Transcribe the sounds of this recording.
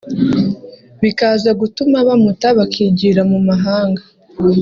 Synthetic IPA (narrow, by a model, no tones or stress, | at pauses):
βikaːzaɡutumaβamutaβakʰiːɟiɾamumaɦaːŋɡa